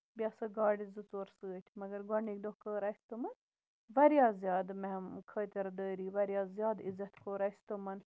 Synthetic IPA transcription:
biɐsɐɡaːɽizɨt͡soːɾsɨːt̪ʲʰmɐɡɐɾɡɐɳik̚d̪okəːɾɐːsʲt̪ɨmɐn | ʋɐɾjaːzʲjaːd̪mɛmkʰəːt̪ʲɐɾd̪əːɾiːʋɐɾjaːzjaːd̪izːɐt̪kʰoːɾaːsʲt̪ɨmɐn

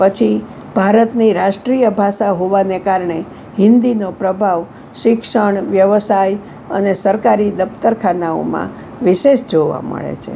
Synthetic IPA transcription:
pət͡ʃʰi | bʱaɾət̪niɾaʃʈɾijəbʱaʃaɦoʋanekaɾɳe | ɦɪ̃nd̪inopɾəbʱaʋ | ʃɪkʂəɳʋjəʋəsaj | ə̰nesəɾkaɾid̪əpt̪əɾkʰanao̰mã̰ | ʋɪʃeʃd͡ʒoʋa̰mə̰ɭḛt͡ʃʰḛ

